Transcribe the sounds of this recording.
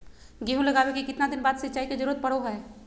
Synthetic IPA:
ɡeɦũlɐɡaːwekikɪt̪nad̪ɪnbaːd̪sɐtːt͡ʃaːiked͡ʒəɾuːɾət̪̚pɐɽoɦɛː

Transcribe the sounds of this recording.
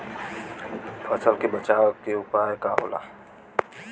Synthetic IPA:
pʰəsəlkebət͡ʃaːʋkeʊpaːjekao̰ːla̰ː

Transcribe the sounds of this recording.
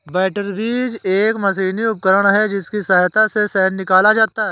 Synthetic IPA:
bɛːʈəɾbiːd͡ʒeːkmɐs̬iːniʊp̚kəɾəɽ̃ɦɛd͡ʒɪskisaːjt̪asesɛːnːɪkaːlad͡ʒaːt̪aɦɛː

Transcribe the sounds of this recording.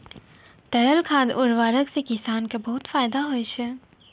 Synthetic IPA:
t̪ɐɾəlkʰaːd̪ʊɾʋaːɾəksekɪsaːnkabɐɦʊt̪faːjd̪aɦoːjʃɛ

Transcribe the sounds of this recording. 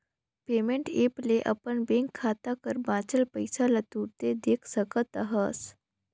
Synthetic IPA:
pemeɳʈepleʔa̰pəɳbeŋkʰːat̪akəɾbãt͡səlpəjsalat̪uɾt̪ed̪ekʰsəkət̪aɦəs

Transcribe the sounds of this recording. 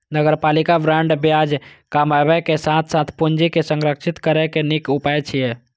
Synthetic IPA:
nəɡəɾpaːlikabɾãɳɖbjad͡ʒkamabɛkesãt̪ʰsat̪ʰpʊnd͡ʒikesə̃ŋɡɾəkʃɪt̪kəɾekenɪkʊpaet͡ʃʰie

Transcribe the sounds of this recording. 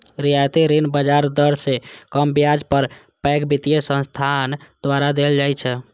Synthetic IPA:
ɾijajt̪iɾinbəd͡ʒaɾd̪əɾsekəmbjad͡ʒpəɾ | pɛkbit̪ijesə̃nst̪ʰand̪̥ʋaɾad̪eld͡ʒajt͡ʃʰɛ

